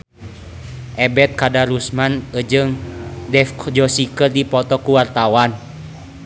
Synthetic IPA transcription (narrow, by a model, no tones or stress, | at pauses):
ʔɛbɛt̪̚kadaɾusmanəd͡ʒɨŋdɛfd͡ʒɔsikərdipɔt̪ɔkuwart̪awan